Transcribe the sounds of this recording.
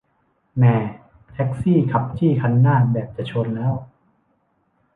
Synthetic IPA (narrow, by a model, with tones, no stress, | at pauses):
mɛː˨˩ | t̪ʰɛ˦˥k̚siː˥˩kʰa˨˩p̚t̪ʰiː˥˩kʰa˧nːaː˥˩bɛː˨˩p̚t͡ɕa˨˩t͡ɕʰu˧nlɛː˦˥w